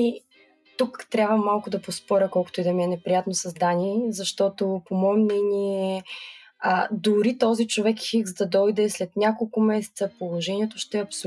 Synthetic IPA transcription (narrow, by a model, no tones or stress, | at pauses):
i | t̪ukt̪ɾʲavvəmalˠkʊd̪ɐpospɔɾʲəkɔlˠko̥t̪oid̪ɛmiɛnɛpɾijat̪nosɐzd̪anizɐʃt̪ɔt̪opomɔɛmnɛniɛ | əd̪ʊɾit̪ɔzit͡ʃovɛkxiɡzd̪ɐd̪ɔjd̪ɛslɛt̪nʲakolˠkʊmɛsɛ̥t̪səpolˠoʒɛniɛt̪oʃt̪ɛɐpso